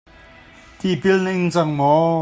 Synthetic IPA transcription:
t̪ipilnɪŋt͡saŋmɔ

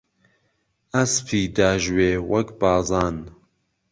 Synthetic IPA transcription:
ɐsfʰiːd̪aːʒweːwɐkbɑːzɑːn

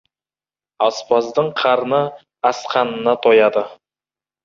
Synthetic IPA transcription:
ɑspɑzd̪əɴqʰɑɾnə | ɑsqʰɑnənɑt̪ʰojɑd̪ə

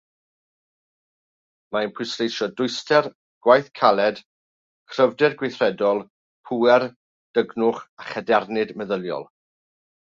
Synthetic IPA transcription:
maənpʰwɨsrejʃɔdʊɨstɛr | ɡ̥wajθkʰalˠɛd̥ | kʰr̥əvdɛrɡwejθrɛdɔlˠ | pʰuɛr | d̥əɡnʊχaχədɛrnɪdməðəlˠjɔ̰lˠ

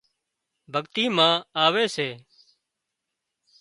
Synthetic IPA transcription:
bʱəɡt̪iːmãːaːʋeːseː

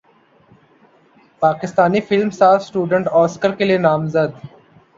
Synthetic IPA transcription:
paːkɪst̪aːnifɪlmsaːfsʈuːɖə̃ɳʈɔːskəɾkelienaːmzəd̪

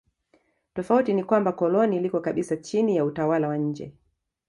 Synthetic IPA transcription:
tɔfautinikwambakɔlɔnilikɔkaɓisat͡ʃinijautawalawaɲ̩d͡ʒɛ̰

